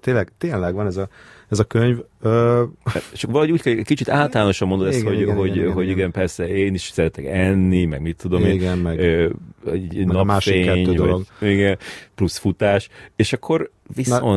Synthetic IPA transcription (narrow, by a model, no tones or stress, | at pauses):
t̪eːnlɛɡt̪eːnlɛɡʋɒnɛzɒɛzɒkøɲvøː | t͡ʃɒkvɒlɒɦouːckɛkɛcʲkit͡ʃit̪aːlt̪ɒlaːno̞ʃɒmːond̪od̪ɛsɡ̪hoɟɦo̞ɟɦo̞ɟiɡɛnpɛrsɛeːniʃsɛɾɛt̪ɛkɛnːimɛɡmit̪ʰːud̪omeːnɡɛnøɛnɒmaːʃʃfieːɛɲːøːd̪ovɒloɡiɡɛnplusfut̪aːʃeːʃɒkʰːo̞ɾvison